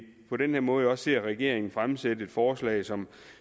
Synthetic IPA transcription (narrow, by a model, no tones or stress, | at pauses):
pʰɒ̽ɾenheɐ̰mɔ̽ːð̞̩ɒ̽sːe̝ɐ̰ʁɛɡ̥e̝ɐ̰e̝ŋn̩fʁamsed̥əe̝d̥fɒːslɛ̰ɪsɒ̽m